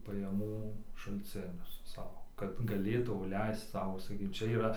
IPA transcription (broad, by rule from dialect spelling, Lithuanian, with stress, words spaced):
pɐjɛˈmuː ʃɐlʲt͡sʲˈɪnʲʊs ˈsɐʊ kɐt ɡɐˈlʲeːtɐʊ ˈlʲɛɪst͡s ˈsɐʊ sɐˈkʲiːk ˈt͡ʃʲɛ iːˈrɐ